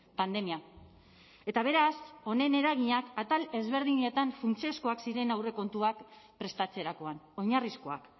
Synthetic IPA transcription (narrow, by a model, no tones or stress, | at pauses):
pand̪e̞mia | e̞t̪aβ̞e̞ɾaso̞ne̞ne̞ɾaɣiɲakat̪ale̞zβe̞ɾð̞iɲe̞t̪aɱfunt͡siosko̞aksiɾe̞nawre̞ko̞nt̪uakpɾe̞st̪at͡se̞ɾako̞ano̞ɲarisko̞a̰k